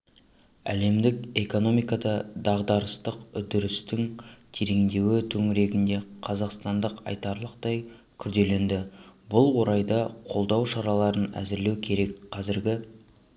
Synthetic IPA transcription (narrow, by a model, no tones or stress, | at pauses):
æ̰le̞md̪ɪke̞ko̞no̞mijkɑd̪ɑd̪ɑʁd̪ɑɾəst̪əqʏd̪ʏɾɪst̪ɪŋt̪ʰeɾeŋd̪e̞wɪt̪ʰɵŋɪɾe̞ɡʲɪnd̪e̞qʰɑzɑqst̪ɑnd̪əqɑ̰jt̪ɑɾlˠəqt̪ɑj | kʲʰʏɾd̪e̞le̞nd̪ɪbʊlˠwo̞ɾɑjd̪ɑqʰo̞lˠd̪ɑwʃɑɾɑlˠɑɾənæ̰zɪɾle̞wkʲʰe̞ɾe̞kqʰɑzɪɾɡʲɪ